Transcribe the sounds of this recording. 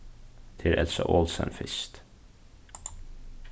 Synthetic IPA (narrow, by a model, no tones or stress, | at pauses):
t̪ʰɪlʔɛlsɔ̰ʔoːlsə̰nfɪst̪